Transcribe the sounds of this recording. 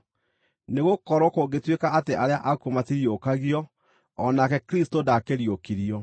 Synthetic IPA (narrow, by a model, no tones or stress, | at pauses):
neɣokɔɾɔkoɡetwekaateʔaɾeaʔakomatiɾiokaɣiɔː | nakɛkɾistodakeɾiokiɾiɔ